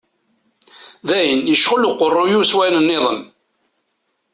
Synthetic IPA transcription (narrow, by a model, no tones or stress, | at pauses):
ðæjənjəʃʁəluqːərˤːʊjuswæjnənːɪðˤəm